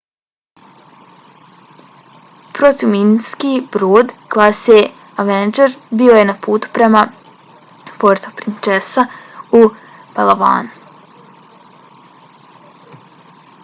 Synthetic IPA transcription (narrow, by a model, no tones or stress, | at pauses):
pɾo̞t̪iʋminskiːbɾoːd̪ɡlˠase | aʋend͡ʒeɾbioje̞napuːt̪u̥pɾe̞ma | po̞ɾt̪o̞pɾint͡ʃesau | palˠaba̰ːnu